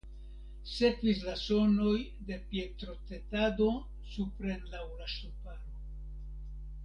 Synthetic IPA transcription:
se̞kvis̬laso̞no̞j | d̪e̞pjet̪ɾo̞t̪et̪ad̪o̞ | supɾenlawulaʃupaɾo

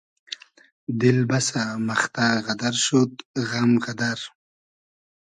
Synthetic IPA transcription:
d̪ɪlbasamaχt̪aɣad̪aɾʃot̪ɣamɣad̪aɾ

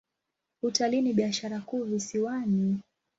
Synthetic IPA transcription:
utaliniɓiaʃaɾakuːvisiwani

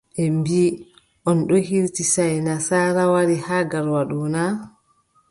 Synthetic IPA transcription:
ʔɛmbiː | ʔɔnɗɔhiɾtisajnasaːɾawaɾihaːɡaɾwaɗuna

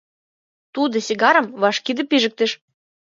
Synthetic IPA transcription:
t̪ud̪ɤ̆siɣɑɾə̆mβɑʃkid̪ĕpiʒə̆k̚t̪eʃ

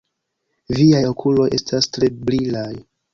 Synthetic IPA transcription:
viajokʰulo̞jʔe̞̰stastɾe̞bɾilaj

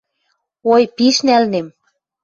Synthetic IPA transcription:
ojpiʃnælnem

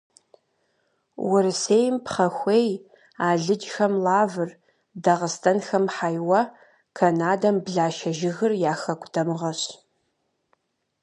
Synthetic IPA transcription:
wʔʊɾɨseːjmpχɐxʷeːj | aːɮɨd͡ʒxɐmlaːvɨr | dɐʁəstʰɐnxɐmħajwɐ | kʰɐnaːdɐmbɮaːʃɐʒɪɣɨrjaːxɐkʷʼdʰɐmʁɐɕ

